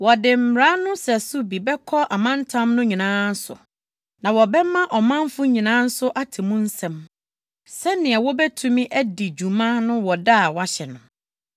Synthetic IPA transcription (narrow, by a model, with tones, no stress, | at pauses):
wɔ˨dɪ˨m̩˨ɾa˦nʊ̃˦sɛ˨sʊ˦bi˨bɛ˦kʰɔ˦ʔa˨mã˦n˦tʰã˦mnʊ̃˦ɲĩ˨nãː˦n̩˦sʊ̰˨ | nã˨wɔ˨bɛ˦mã˦ʔɔ˨mã˦m˦fʊ˦ɲĩ˨nãː˦n̩˦sʊ˦ʔa˦tʰɪ˨mũ˦n̩˦sɛ̃˨m | sɛ˦nɪ̃˨ɛ˨wɔ˦bɛ˦tʰũ˦mĩ˦ʔæ˦di˨d͡ʑu˨mã˦nʊ̃˦wɔ˨da˦˨wa˦ɕɛ˨nʊ̃˨